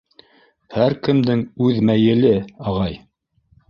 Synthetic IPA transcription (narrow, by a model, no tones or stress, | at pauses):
hæɾkɘ̆md̪ɘŋʉðmæjɘ̆lɘɑʁɑj